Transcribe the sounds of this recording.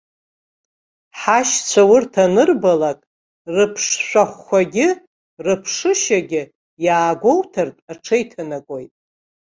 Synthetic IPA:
ħaʃt͡sʷʰawʊrtʰanɨrbalakʼ | rɨpʰʂʃʷᶣaχːʷaɡʲɪ | rɨpʰʂɨʃaɡʲɪ | jaːɡʷowtʰartʼaʈ͡ʂʰejtʰanakʼojtʼ

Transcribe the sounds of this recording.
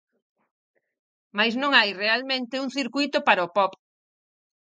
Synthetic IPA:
majsnõŋajrealmẽnt̪ɪuŋθiɾkujt̪ʊpaɾaʊpɔp

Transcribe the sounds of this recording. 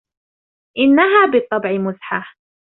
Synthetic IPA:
ʔɪnːaɦaːbɨt̪ˤːɑbʕɪmʊsħa

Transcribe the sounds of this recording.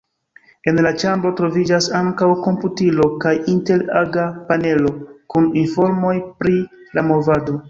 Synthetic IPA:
e̞nlat͡ʃambɾo̞tɾo̞vid͡ʒasaŋkawko̞mputilo̞kajinte̞ɾaɡapane̞lo̞kuninfo̞ɾmo̞jpɾi | lamo̞vado̞

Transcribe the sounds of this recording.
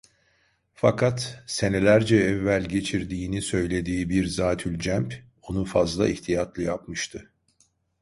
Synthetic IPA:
fakʰat̪se̞ne̞lʲæɾd͡ʒɛɛvːælʲɟe̞t͡ʃʰiɾd̪iːnisø̞jlʲe̞d̪iːbiɾzaːt̪ʰylʲd͡ʒæmp | o̞nufazlˠa̰iht̪ʰijat̪lˠɯjapmɯʃt̪ʰɯ

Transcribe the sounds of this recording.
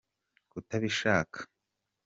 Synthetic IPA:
kutaβiʃaːkʰḁ

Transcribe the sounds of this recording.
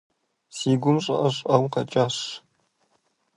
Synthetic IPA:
siːɡʷʊmɕʼɐ̰ʔɐɕʼɐwqɐt͡ʃʼaːɕ

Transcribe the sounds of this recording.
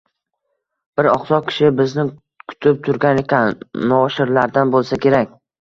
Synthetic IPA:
b̥ɪɾɒχsɒq̚kʲʰɪ̥ʃɪbɪznɪ | kʰʊ̥t̪ʰɪp̚t̪ʰʊɾɡʲanekʲʰanːɒʃɪɾlaɾd̪anbolˠsakʲʰe̞ɾakʲ

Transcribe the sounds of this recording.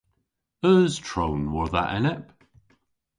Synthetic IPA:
əːz̥tʰɹ̥õʊ̃nwəðə̰ʔɛ̰nɪp

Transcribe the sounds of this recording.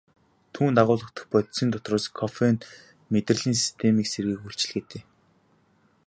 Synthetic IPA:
t̪ʰuːnt̪aʁʊːɮə̆t̪ə̥̆χpœt̪sĭːnt̪ʰɔt̪rɔːskʰɔfen | met̪rə̆ɮiːnsi̥st̪ʰemiːkserɣiːkuɬt͡ɕɪ̆ɮɡeːt̪eː

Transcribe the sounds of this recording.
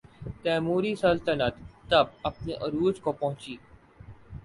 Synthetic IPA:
t̪ɛːmuːɾisɐlt̪ənət̪ːɐb̚ɐpneʔɐɾuːd͡ʒkopɐɦʊ̃t͡ʃiː

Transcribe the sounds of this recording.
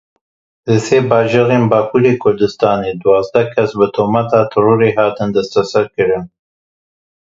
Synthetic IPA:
ləsebɑːʒəɣembɑːpuɾekʰʊɾd̪ɨst̪ɑːned̪wɑːzd̪ɐkʰasbət̪ʰomat̪ɑt̪ʰɨɾuɾeɦɑːt̪ɨnd̪ast̪asaɾkɨɾən

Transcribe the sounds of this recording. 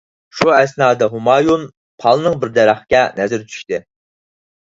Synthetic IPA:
ʃuɛsnɑːd̪ɑɦumɑːjun | pʰɑlˠnɨŋbɪɾd̪ɛɾæχkʲɛnɛzɪɾt͡ʃʰy̥ʃt̪ɪ

